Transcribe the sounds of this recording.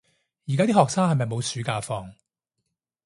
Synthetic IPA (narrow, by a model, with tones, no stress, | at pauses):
jiː˨˩kaː˥iː˥hɔː˨k̚saː˥ŋhɐ˨jmɐ˨jmo˨˧wsyː˨˥kaː˧fɔː˧ŋ